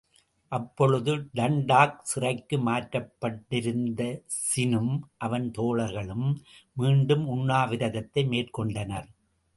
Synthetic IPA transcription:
ʔɐpːɔɻɯðɯɖɐɳɖaːk̚sɪrɐɪkːɯmaːʈɾɐpːɐʈːɪɾɯnd̪ɐsɪnɯmʔɐʋɐnt̪oːɭɐɾɣɐɭɯmmiːɳɖɯmʊɳːaːʋɪɾɐɣɐt̪ːɐɪmeːrkɔɳɖɐnɐɾ

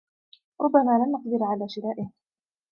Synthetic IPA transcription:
ɾˤʊbːamaːlanʔaqd̪ɪɾʕalaːʃɪɾaːʔɪh

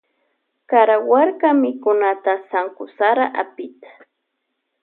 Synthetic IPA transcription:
kaɾawaɾkamɪkʊnat̪asaŋkʊsaɾaʔa̰pɪt̪ḁ

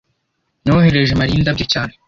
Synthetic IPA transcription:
noheɾeʒemaɾiːndabɟecaːne

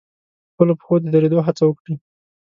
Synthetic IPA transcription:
xpəlopə̥xod̪əd̪əɾed̪oɦat͡sawəkɽi

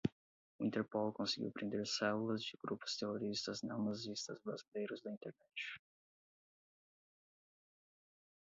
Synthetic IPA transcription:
ʊĩnt̪eɾpolkõsɪɡʲḭwpɾʔẽnd̪eɾsɛlulɐzd͡ʒɪɡɾupʊ̥st̪eɦoɾist̪ɐznɐ̃w̃nazist̪ɐzbɾazilejɾʊzd̪ɐĩnt̪eɾnɛt͡ʃɪ̥

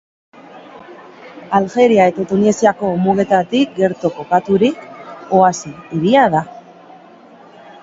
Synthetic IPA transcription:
alxe̞ɾiae̞t̪at̪unesiako̞muɣ̞e̞t̪at̪ik̚ɡe̞ɾt̪oko̞kat̪uɾiko̞asiːɾiaða

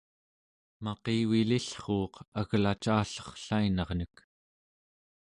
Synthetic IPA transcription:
mɑqiːwiliɬχoːqaɣlat͡ʃaːɬʌ̥χɬainɑʁnək

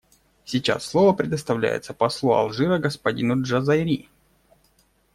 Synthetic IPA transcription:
sʲɪt͡ɕa̰sːlˠovəpɾʲɪd̪əst̪ɐvlʲæ̰jɪ̰t̪səpɐslˠuɐ̰lˠʐɨɾəɡəspɐdʲinʊʐɐzajɾʲi

